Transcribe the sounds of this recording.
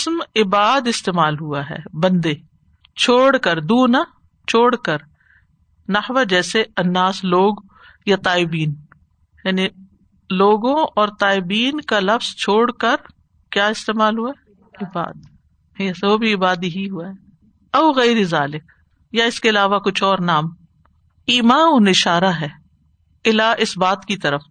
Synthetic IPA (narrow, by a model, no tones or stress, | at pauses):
smɪbaːd̪ɪst̪eːmaːlɦuaɦɛ̰ːbɐ̃nd̪e | t͡ʃʰoːɽkəɾd̪uːna | t͡ʃʰoːɽkəɾ | nɐhʋad͡ʒɛːseɐnːaːsloːɡ | jat̪aːɪbiːn | jaːni | loːɡõɔːɾt̪aːɪbiːnkalɐfz̥t͡ʃʰoːɽkəɾ | kjaːɪst̪eːmaːlɦuaɛ | ɪba̰ːd̪ | sobʱiɪbaːd̪iɦiɦuaɦɛ | ɐʊɣɛɪɾizaːlɪk | jaɪskeɐlaːʋakʊt͡ʃʰɔːɾnaːm | iːmaːonɪʃaːɾaɦɛː | ɪlaʔɪsbaːt̪kit̪ɐɾəf